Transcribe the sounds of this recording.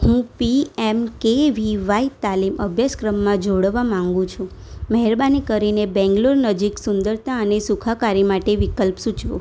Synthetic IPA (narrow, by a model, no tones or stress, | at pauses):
hũpiɛmkeʋiʋait̪aliməbʱjaskɾəmːãd͡ʒoɽʋamãŋɡũt͡ʃʰũ | məɦɛɾbanikəɾinebɛ̃ŋɡloɾnəd͡ʒiksʊnd̪əɾt̪aənesukʰakaɾimaʈeʋikəlpsut͡ʃʋṵ̃